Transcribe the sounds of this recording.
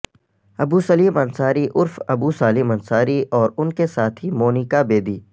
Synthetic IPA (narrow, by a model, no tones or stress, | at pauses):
ɐbuːsɐliːmɐnsaːɾiʔʊɾfɐbuːsaːlɪmɐnsaːɾiʔɔːɾʊnkesaːt̪ʰimoːnɪkabeːd̪iː